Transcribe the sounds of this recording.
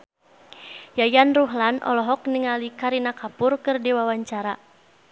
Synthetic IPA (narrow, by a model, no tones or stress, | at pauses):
jajanruɦlanʔɔ̰lɔɦɔk̚niŋalikaɾinakapurkɨrdiwawaɲt͡ʃaɾa